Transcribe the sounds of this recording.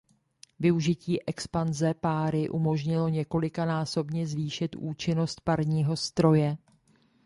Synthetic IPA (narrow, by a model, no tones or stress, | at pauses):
vɪuʒɪciːʔɛkspanzɛpaːɾɪʔumo̞ʒɲɪlo̞ɲɛko̞lɪkanaːso̞bɲɛzviːʃɪt̪ʔuːt͡ʃɪno̞st̪̚paɾɲiːɦo̞st̪ɾo̞jɛ